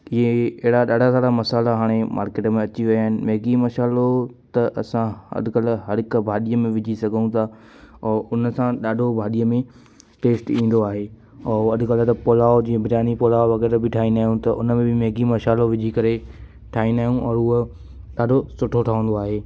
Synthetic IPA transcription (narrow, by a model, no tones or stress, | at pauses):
ɪɦeɐɦɪɾaɗaːɖʱat̪aːɽamɐsaːlaɦaːɽ̃emʔa̰ːɾkeːʈmẽɐt͡ɕiʋɐjaːɦɪnɪ̆meɦɡimɐʃaːlot̪ɐʔɐsãɐ̰d̪ʱɪkəlɦɐɾɪkbʱaːɗijəmẽʋɪd͡ʑʱisɐɡʱəũt̪ʰa | ɔːʔʊnəsãɗaːɖʱobʱaːɗijəmẽ | ʈeːsʈĩːn̆d̪oaːɦeː | ɔːɐd̪ʱɪkəlt̪ɐpoːlaːod͡ʑĩːə̃bʱɪɾaːnipoːlaːoʋɐɣɛːɾbɪʈʰaːĩnaːɦjũt̪ɐʔʊnəmẽbʱɪmeɦːɡimɐʃaːloʋɪd͡ʑʱikɐɾe | ʈʰaːĩnaːɦjũʔɔːɾʊɦo | ɗaːɖʱosʊʈʰoʈʰaʋə̃nd̪oaːɦeː